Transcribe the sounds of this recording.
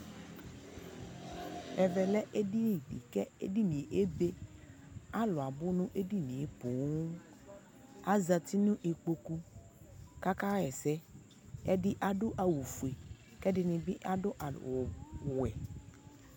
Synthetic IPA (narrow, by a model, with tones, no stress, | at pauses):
ɛ˨vɛ˨lɛ˦ʔe˦di˦nĩ˨ɖḭ˨kɛ˦ḛ˦di˦nĩ˨e˨ʔe˦be˦ | a˦lɔ˨a˨bʊ˦nũ˦ʔe˦di˦nĩ˨e˨po˨˦ | a˦za˨t̪i˦nũ˦ʔe˨k͡po˨ku˦ | ka˦ka˦ɛ˨sɛ˦ | ɛ˦dɪ˦ʔa˨ɖʊ˦ʔa˨wu˨fu˨e˨ | kɛ˦dɪ˨nĩ˨bi˦ʔa˦dʊ˦ʔa˨ | wɛ˨